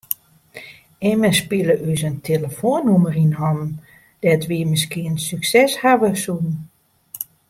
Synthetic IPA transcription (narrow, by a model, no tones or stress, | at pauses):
ɪməspiələʔysəntʰeləfoənːumərinɔm | d̥ɛtʋiəmɪs̬kiənsyksɛshaʋəsun̩